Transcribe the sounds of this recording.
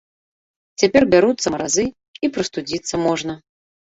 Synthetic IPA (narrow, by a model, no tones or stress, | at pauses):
t͡sʲapʲɛrbʲaɾut̪sːɐmɐɾazɨ | ipɾɐst̪ud͡zʲit̪sːɐmɔʐnɐ